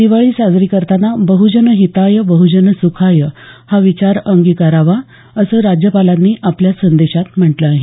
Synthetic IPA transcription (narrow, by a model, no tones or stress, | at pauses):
d̪̥iʋaɭiːsad͡zɾikəɾt̪anabəɦud͡ʑənəɦit̪ajəbəɦud͡ʑənəsukʰajəhaʋit͡ɕaɾəŋɡikaɾaʋa | əsəːɾad͡ʑjəpalãnːiːʔapljasənd̪eɕat̪m̤əʈləaɦi